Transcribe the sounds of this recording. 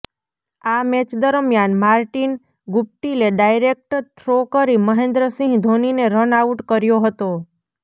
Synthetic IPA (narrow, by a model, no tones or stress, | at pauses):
amɛt͡ʃd̪əɾmjanmaɾʈin | ɡʊp̚ʈileɖajɾek̚ʈəɾt̪ʰɾokəɾiməɦend̪ɾəsĩŋɡd̪ʱonineɾənauʈkəɾjoɦət̪o